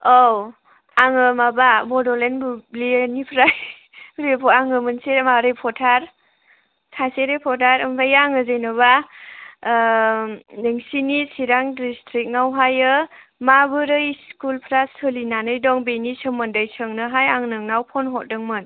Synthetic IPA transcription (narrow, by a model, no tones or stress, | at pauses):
ow | aŋɯmabamɔdɔlenbublinipʰɾaj | ɾepʰɔaŋɯmɯnseɾmaɾepʰɔtʰaɾ | sʰaseɾepʰɔtʰaɾɯmpʰajaŋɯzejnɯβa | neŋsinisiɾaŋdistʰɾik̚nawɦajɯ | mabɯɾɯiskulpʰɾasɯlinanɯjdɔŋbenisɯmɯndɯjsɯŋnɯɦajaŋnɯŋnawpʰɔnɦɔt̚dɯŋmɯn